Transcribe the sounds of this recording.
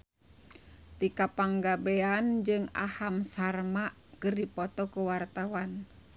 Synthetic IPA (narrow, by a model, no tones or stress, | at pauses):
t̪ikapaŋɡabɛand͡ʒɨŋa̰hamsarmaʔkɨrdipɔt̪ɔkuwart̪awan